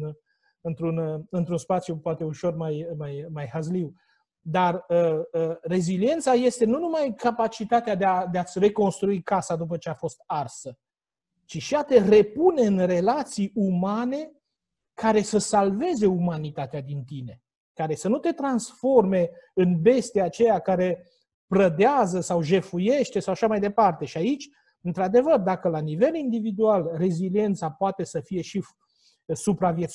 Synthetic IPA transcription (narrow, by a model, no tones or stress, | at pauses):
ɨnt̪ɾunɨnt̪ɾunspat̪sjupoat̪e̞uʃo̞rmajmajmajhazliw | d̪arəre̞zilie̞nt̪saje̞st̪e̞nunumajkapat͡ʃit̪at̪ead̪ead̪eat̪sʲre̞ko̞nst̪ɾuikasad̪up̬ət͡ʃe̞afo̞st̪arsə | t͡ʃiʃiat̪e̞re̞pune̞ɨnre̞lat̪sijumane̞ | kaɾe̞səsalve̞ze̞umanit̪at̪ead̪int̪ine̞ | kaɾe̞sənut̪e̞t̪ɾansfo̞rme̞ɨnbe̞st̪eat͡ʃe̞jakaɾe̞ | pɾəd̪eazəsawʒe̞fuje̞ʃt̪esawaʃamajd̪e̞part̪e̞ʃiait͡ʃʲ | ɨnt̪ɾad̪e̞vərd̪akəlanive̞lind̪ivid̪ualre̞zilie̞nt̪sapoat̪e̞səfije̞ʃi | supɾavje̞t̪s